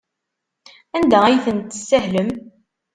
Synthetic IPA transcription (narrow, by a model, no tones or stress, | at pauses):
ænd̪ææjθənt̪sæɦləm